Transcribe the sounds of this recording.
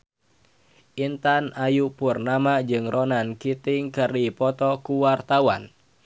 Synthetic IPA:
ʔint̪anajupurnamad͡ʒɨŋrɔnankit̪ɪŋkɨrdipɔt̪ɔkuwart̪awan

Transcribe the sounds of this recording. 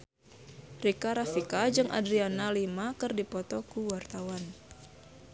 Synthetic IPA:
rikaɾafikad͡ʒɨŋʔa̰dɾianalimakɨrdipɔt̪ɔkuwart̪awan

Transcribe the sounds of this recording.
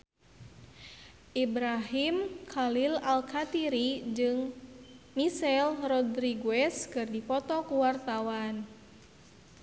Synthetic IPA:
ʔibɾaɦimkʰalilalkʰat̪iɾid͡ʒɨŋ | misɛlrɔd̪ɾiɡuɛskɨrdipɔt̪ɔkuwart̪awan

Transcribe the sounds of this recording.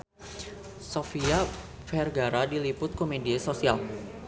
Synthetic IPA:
sofia | fɛrɡaɾadilipʊt̪̚komediasosial

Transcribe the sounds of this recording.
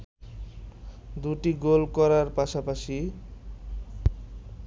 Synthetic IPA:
d̪uʈiɡolkɔɾarpasapasi

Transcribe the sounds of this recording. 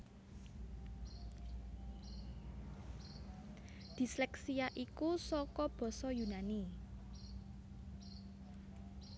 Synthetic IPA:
d̪̥i̤slɛksijaʔikusɔkɔb̥ɔ̤sɔjunani

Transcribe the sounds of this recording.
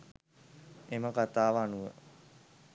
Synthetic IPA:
eməkat̪aːʋanuʋə

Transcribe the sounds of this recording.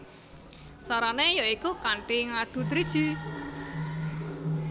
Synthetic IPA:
saɾanejoikukaɳʈiŋad̪̥ṳt̪ɾid̥ʒ̥i̤

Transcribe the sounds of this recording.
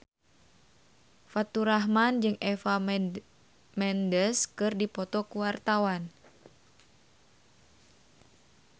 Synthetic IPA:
fat̪uɾaɦmand͡ʒɨŋɛfa | mɛndəskɨrdipɔt̪ɔkuwart̪awan

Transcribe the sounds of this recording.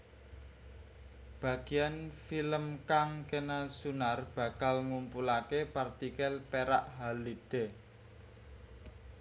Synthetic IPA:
b̥ä̤ɡ̥i̤anfiləmkaŋkenasunarb̥ä̤kalŋumpulakepart̪ikɛlpeɾaʔɦalid̥e̤

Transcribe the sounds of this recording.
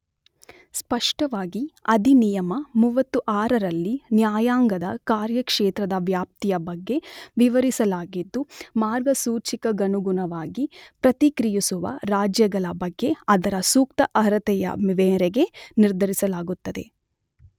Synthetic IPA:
spɐʂʈɐʋaːɡiɐd̪inijɐmɐmuʋɐt̪ːuʔaːɾɐɾɐlːinjaːjaːŋɡɐd̪ɐkaːɾjɐkʂeːt̪ɾɐd̪ɐʋjaːp̚t̪ijɐbɐɡːe̞ʋiʋɐɾisɐlaːɡid̪ːumaːɾɡɐsuːt͡ʃikɐɡɐnuɡunɐʋaːɡipɾɐt̪ikɾijisuʋɐ̰ɾaːd͡ʒjɐɡɐɭɐbɐɡːe̞ɐd̪ɐɾɐsuːk̚t̪ɐʔɐɾɐt̪ɛjɐ̰miʋeːɾeɡe̞niɾd̪ʱɐɾisɐlaːɡut̪ːɐd̪e̞

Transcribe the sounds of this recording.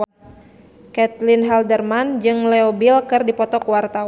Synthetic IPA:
kɛt̪linɦɛldərmand͡ʒɨŋlɛɔbilkɨrdipɔt̪ɔkuwart̪aw

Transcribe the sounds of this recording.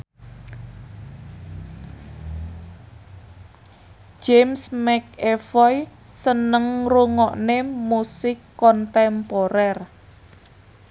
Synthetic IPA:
d͡ʒemsmɛkefɔjsənəŋruŋɔʔnemusɪkːɔnt̪ɛmpoɾɛr

